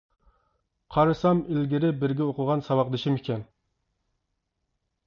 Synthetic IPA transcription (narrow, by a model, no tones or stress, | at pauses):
qʰɑɾɨsɑmilɡʲiɾɪbɪɾɡʲɛoqʊʁɑnsɑwɑq̚d̪ɨʃimekʲɛn